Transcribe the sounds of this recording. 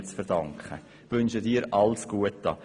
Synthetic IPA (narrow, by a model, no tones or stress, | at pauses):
t͡sfɛɾdɑŋkχə̰ | ʋʏnʃədiːɾʔɑlsɡ̥uətːɑ̰